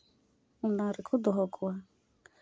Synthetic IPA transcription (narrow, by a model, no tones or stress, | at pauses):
n̩naɾɪkʰʊd̪ɔɦɔkʰʊa